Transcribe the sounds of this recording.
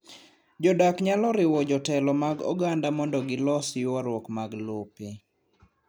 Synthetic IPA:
d͡ʒɔdakɲalɔɾɪwɔd͡ʒɔtɛlɔmaɡɔ̰ɡandamɔndɔɡɪlɔsɪwaɾwɔkmaɡlope

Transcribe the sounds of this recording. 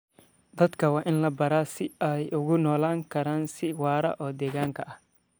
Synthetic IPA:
d̪ɐd̪kʰɐwɑːʔɪnlɐbɐɾaːsɪɛjʊɣʊnɔːlaːŋkʰɐɾaːnsɪwɑːɾɐ̰ʔɔːd̪ɛːɣaːŋkʰɐʔɐh

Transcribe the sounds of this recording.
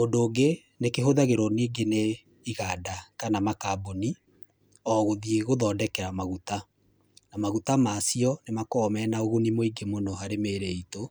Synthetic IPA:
ondoːɡe | nekeɦoðaɣeɾɔniːɡene | iɣadakanamakaboni | ɔɣoðieɣoðɔːdɛkɛɾamaɣuta | namaɣutamasiɔnemakɔmɛnaoɣonimoiɡemonɔɦaɾemeːɾeito

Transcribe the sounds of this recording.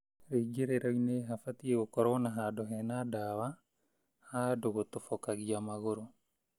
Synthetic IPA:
ɾeɡeɾeɾaineɦafatieɣokɔɾɔnaɦadɔɦɛnadawa | hadoɣotofɔkaɣiamaɣoɾo

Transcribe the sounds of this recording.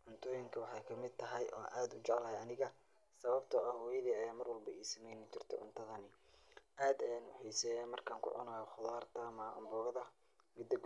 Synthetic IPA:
ʕʊnt̪ʰɔːjɪŋkʰɐwɑħɑjkʰɐmɪd̪̚t̪ʰɐɦɛjʔɔ̰ːa̰ːnʔaːd̪ʊt͡ʃɛʕlɐːɦjɐnɪɣɐ | sɐβɐb̚t̪ʰɔɐhɔːjɐðiːɐjaːmɐrwɐlbɐʔiːsɐmɛjnɪt͡ʃɪrt̪ʰɔ̰ʕʊ̰nt̪ʰɐðɐnɪ | ʔaːd̪ɛaːnwʊ̰ħiːsɛjɛːnmɐrkʰaːŋkʰʊ̰ʕʊ̰nɐjɔχʊðaːrt̪ʰɐmɐʊ̰mbɔːɣɐðɐ | mɪd̪ɐɡ

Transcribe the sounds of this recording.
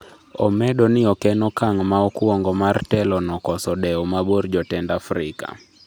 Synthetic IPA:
ɔmɛɗɔnɪɔkɛnɔkaŋmaɔkwɔŋɡɔmartɛlɔnɔkɔsɔɗɛɔmabord͡ʒɔtɛndafɾɪ̰ka̰

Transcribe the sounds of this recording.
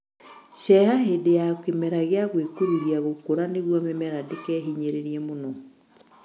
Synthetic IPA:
ɕɛhaɦedejakemɛɾaɣeaɣwekuɾuhiaɣokoɾaneɣwɔmɛmɛɾadekɛɦiɲeɾeɾiɛmonɔ

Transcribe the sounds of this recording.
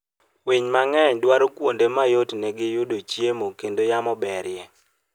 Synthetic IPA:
wiɲmaŋɛɲdwaɾokwondemajotnɛɡɪjʊdot͡ʃjemokendojamɔbɛɾjɛ

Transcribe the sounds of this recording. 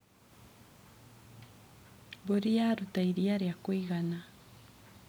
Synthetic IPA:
boɾijaɾutaiɾiaɾiakwiɣana

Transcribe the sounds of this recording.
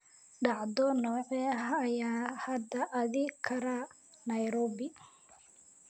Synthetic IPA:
ɖɑʕd̪ɔnɔːʕɛɦːjaːhɐd̪ɐʔɐðɪkʰɐɾa | nɐjɾɔːbɪ

